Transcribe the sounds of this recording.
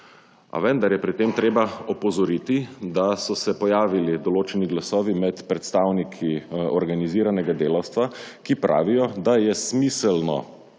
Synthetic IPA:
a̰ʋɛnd̪aɾjɛpɾit̪eːmt̪ɾeːbaɔpɔzɔɾit̪id̪asɔsɛpɔjaːʋilid̪ɔloːt͡ʃɛniɡlasɔːʋimɛt̪pɾɛt̪st̪aːwnikʰiɔɾɡaniziːɾanɛɡad̪eːlawst̪ʋakipɾʔa̰ːʋijɔd̪ajɛsmiːsəlnɔ̰

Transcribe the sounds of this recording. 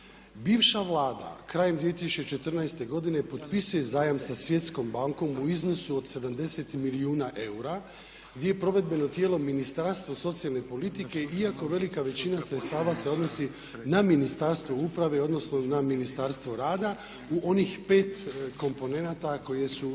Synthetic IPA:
biːʋʃaʋlˠaːd̪a̰kɾaːjemd̪ʋie̞t̪isu̥t͡ʃe̞t͡ʃe̞t̪rnajst̪e̞ɡo̞d̪ine̞po̞t̪pisuje̞zaːjamsasʋje̞t̪sko̞mbaŋko̞muizno̞suod̪se̞d̪amd̪e̞se̞t̪miliuːnaʔe̞uɾa | ɡd̪je̞jepɾo̞ʋe̞d̪̚be̞no̞t̪je̞ːlo̞minist̪aɾst̪ʋoso̞t̪sijalˠne̞po̞lit̪ike̞iako̞ʋe̞likaʋe̞t͡ɕinasɾet̪st̪aːʋase̞o̞d̪no̞si | naminist̪aɾst̪ʋoupɾaʋe̞o̞d̪no̞sno̞naminist̪aɾst̪ʋo̞ɾaːd̪a | uʔo̞nixpe̞ːt̪kʰo̞mpo̞ne̞nat̪ako̞je̞su

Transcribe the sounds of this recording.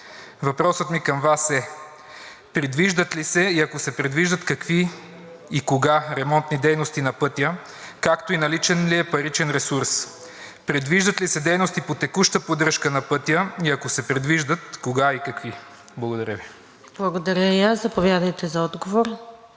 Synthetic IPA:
vɐpɾɔsət̪mikɐmvasɛ | pɾɛd̪viʒd̪ət̪lisɛiɐkosɛpɾɛd̪viʒd̪ət̪kɐkvi | ikoɡaɾɛmɔnt̪nid̪ɛjnost̪inɐpɤt̪ʲjə | kakt̪oinɐlit͡ʃɛnliɛpɐɾit͡ʃɛnɾɛsuɾs | pɾɛd̪viʒd̪ət̪lisɛd̪ɛjnost̪ipot̪ɛkuʃt̪əpod̪ɾəʃkənɐpɤt̪ʲjəiɐkosɛpɾɛd̪viʒd̪ət̪koɡaikɐkvi | blˠɐɡod̪ɐɾʲəvi | b̥lˠɐɡod̪ɐɾʲəiaszɐpovʲjad̪əjt̪ɛzɐɔd̪ɡovoɾ

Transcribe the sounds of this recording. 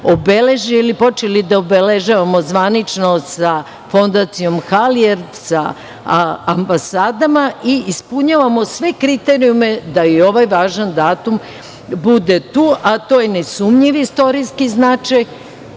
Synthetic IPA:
obele̞ʒiilipo̞t͡ʃelid̪aobeleʒaʋamo̞zʋanit͡ʃnosa | fo̞nd̪at̪sijo̞mxalieɾd̪sa | ambasaːd̪amaiispuɲaʋamo̞sʋe̞kɾit̪e̞ɾiume̞d̪aio̞ʋajʋaːʒand̪aːt̪um | bud̪e̞t̪uːʔat̪o̞jenesumɲiʋist̪o̞ɾiskiznaːt͡ʃaj

